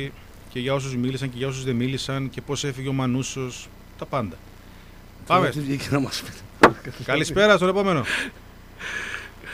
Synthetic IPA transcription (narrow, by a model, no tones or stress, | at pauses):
ce̞ʝɐo̞s̬uzmilisɐɲce̞ʝɐo̞s̬uzðe̞milisɐnce̞po̞se̞fiʝeo̞mɐnuso̞s | t̪ɐpɐnd̪ɐ | pɐmet̪ivʝicenɐmɐspi̥t̪ekɐlispe̞ɾɐst̪one̞po̞me̞no̞